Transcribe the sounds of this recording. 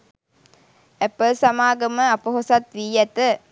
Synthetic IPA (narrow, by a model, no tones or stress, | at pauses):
æpəlsamaːɡəməapəɦosat̪ʋiːjæt̪ə